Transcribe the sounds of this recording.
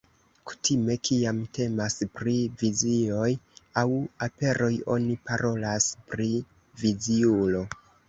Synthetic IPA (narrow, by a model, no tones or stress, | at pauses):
ku̥tʰime̞kʰiamte̞maspɾivizio̞jawape̞ɾʔo̞jo̞̰nipaɾʔo̞laspɾi | viziulo̞